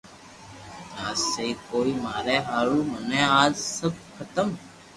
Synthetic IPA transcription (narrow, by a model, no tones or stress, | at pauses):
t̪aːsseiːkoːiːmaːɾɛːɦaːɾuːmənɛ̃ːaːd͡ʒsəb̚kʰət̪əm